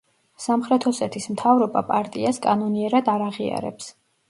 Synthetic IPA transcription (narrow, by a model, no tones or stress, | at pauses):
samχɾɛt̪ʰhɔsɛt̪ʰismt̪ʰavɾɔbapʼaɾt̪ʼiaskʼanɔniɛɾad̪aɾaʁia̰ɾɛ̰ps